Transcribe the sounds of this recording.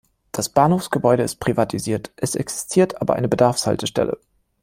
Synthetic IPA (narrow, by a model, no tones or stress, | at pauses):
d̥asb̥aːnhoːfsɡ̥əbɔʏɾəɪst̚pʁ̥ivatʰiziːɐtʔɛsʔɛksɪ̥stʰiːɐtʔaːbɐ̰ʔa̰ɪnəbədaɐfsha̰ltəʃtɛ̰lə̰